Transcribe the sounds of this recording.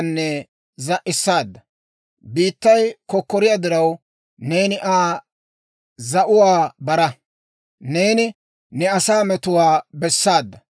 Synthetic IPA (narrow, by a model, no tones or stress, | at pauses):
nːɛ | zɐʔɪsːaːd̪ːɐ | biːt̪ːɐjkɔkːɔɾɪjɐd̪ɪɾɐw | neːnɪʔaː | zɐʔʊwaːbɐɾɐ | neːnɪ | nɛɐsaːmɛt̪ʊwaːbɛsːaːd̪ːɐ